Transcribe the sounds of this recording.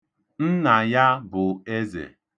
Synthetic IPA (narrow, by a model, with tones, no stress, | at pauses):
n̩˦na˨ja˦bʊ˨e˦zḛ˨